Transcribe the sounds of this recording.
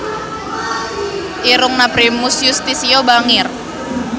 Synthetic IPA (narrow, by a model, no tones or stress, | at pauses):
ʔiɾʊŋnapɾimʊsjust̪isiobaŋɪr